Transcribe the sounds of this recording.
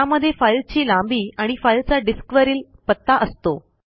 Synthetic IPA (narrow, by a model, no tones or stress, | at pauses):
aməd̪ʱːjefajlt͡ɕiːlambiːaɽ̃ifailt͡saɖiskʋəɾiːlpət̪ːaʔəst̪o